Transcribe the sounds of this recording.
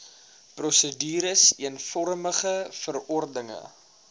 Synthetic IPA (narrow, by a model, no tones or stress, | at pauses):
prɔsədiːɾəsiənfɔɾməχəfərɔrdəŋə̰